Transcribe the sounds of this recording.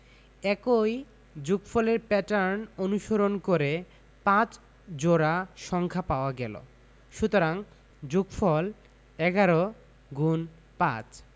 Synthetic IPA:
ɛkoj | d͡ʑuɡfɔleɾpɛʈaɾnonuʃoɾonkoɾe | pãt͡ɕ | d͡ʑoɾaʃɔŋkʰapaoaɡɛ̰lo̰ | ʃut̪oɾaŋ | d͡ʑuɡfɔl | ɛɡaɾo | ɡun | pã̰t͡ɕ

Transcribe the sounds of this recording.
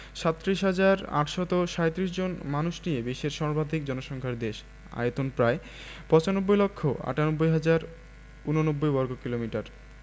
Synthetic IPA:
ʃat̪ːɾiʃɦad͡ʑaɾa̰ʈʃɔt̪oʃaet̪ɾiʃ̬d͡ʑonmanuʃnijebiʃeɾʃɔɾbad̪ʱik̚d͡ʑɔnoʃɔŋkʰaɾd̪eʃ | a̰jot̪onpɾae | pɔt͡ɕanobːojlokʰːoa̰ʈanobːojɦad͡ʑaɾ | unonobːojbɔɾɡokilomiʈaɾ

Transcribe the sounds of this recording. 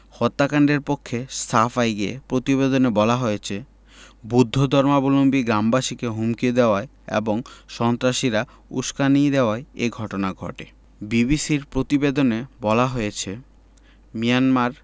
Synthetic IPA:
hɔt̪ːakaɳɖeɾpokʰːesʈʰafajɡepɾot̪ibed̪onebɔlaɦojet͡ɕʰe | bud̪ʱːod̪ʱɔɾmabolombiɡɾambaʃikeɦumkid̪eoae | ḛboŋʃɔnt̪ɾaʃiɾa | ṵʃkanijd̪eoaeeɡʱɔʈonaɡʱɔ̰ʈe | bibisiɾpɾot̪ibed̪onebɔlaɦojet͡ɕʰe | mijanmaɾ

